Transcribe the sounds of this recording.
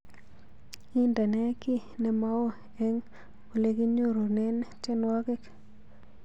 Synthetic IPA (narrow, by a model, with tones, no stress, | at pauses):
i˦nda˨nɛ˦kɪ˦ | nɛ˨ma˦wo˦ | ɛ˦ŋ | o˨le˦ɡi˦ɲo˦ɾo˨nɛ˦nt͡ʃɛ˦nwa˦kɪ˦k